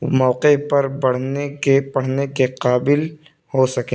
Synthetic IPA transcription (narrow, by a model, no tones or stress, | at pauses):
mɔːqepɐɾbɐɽ̤nekepɐɽ̤nekeqaːbɪl | hosɐkẽː